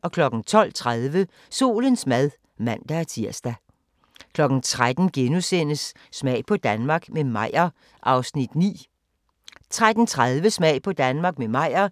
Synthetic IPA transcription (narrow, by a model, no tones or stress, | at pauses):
ʔɒ̽kʰlɒ̽ɡ̥n̩t͡sʰɒ̽l̰t͡sʰʁaðˠʋə | so̝̰ːlənsmæð̞ˠ | mæn̰d̥ææɐt͡sʰiɐ̰sd̥æ | kʰlɒ̽ɡ̥n̩t͡sʰʁad̥n̩ɡ̥enusen̰əsː | mɛ̰ɪpʰɒ̽d̥ænmɑ̈ːɡ̥memɑ̈ɪ̰ɐ | ʔɑ̈ʊsnid̥nḭː | t͡sʰʁad̥n̩t͡sʰʁaðˠʋəsmɛ̰ɪ̰pʰɒ̽d̥ænmɑ̈ːɡ̥memɑ̈ɪ̰ɐ